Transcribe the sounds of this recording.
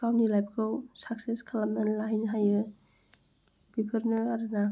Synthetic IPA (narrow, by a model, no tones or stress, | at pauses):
kawnilajp̚kʰɯwsak̚seskʰalamnanlaɦinɦajɯ | b̥ipʰɯɾnɯaɾɯna